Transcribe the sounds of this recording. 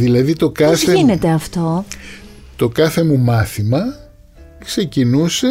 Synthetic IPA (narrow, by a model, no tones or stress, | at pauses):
ðilɐðit̪o̞kɐθeinet̪eɐft̪o | t̪o̞kɐθe̞mumɐθimɐ | kse̞cinuse